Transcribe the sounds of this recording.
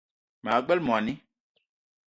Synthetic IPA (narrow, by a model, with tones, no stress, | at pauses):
m̃˨a˨ɡ͡bɛ˦lmɔ̃˨a˨nĩ˦